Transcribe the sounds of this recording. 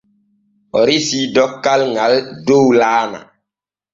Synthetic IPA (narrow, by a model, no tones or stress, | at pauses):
ɔɾisidɔkːalŋaldowlaːna̰